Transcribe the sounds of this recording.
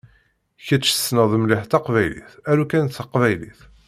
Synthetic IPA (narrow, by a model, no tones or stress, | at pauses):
çæt͡ʃːə̥snəðˤmliħt̪ɑqvæjlḭθæɾukænθəqvæjliθ